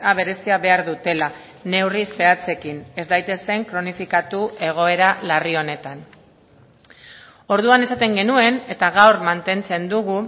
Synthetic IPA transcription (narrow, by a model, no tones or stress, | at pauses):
aβ̞e̞ɾe̞siaβe̞aɾðut̪e̞la | ne̞wrise̞at͡se̞kine̞zd̪ajt̪e̞se̞ŋkɾo̞nifikat̪ue̞ɣ̞o̞e̞ɾalario̞ne̞t̪an | o̞ɾð̞uane̞sat̪e̞ŋɡe̞nue̞ne̞t̪aɣ̞awɾmant̪e̞nt͡se̞nd̪uɣ̞u